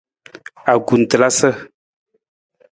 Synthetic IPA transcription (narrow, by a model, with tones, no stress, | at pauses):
a˨ɡu˨n˨tə˨la˦sə˦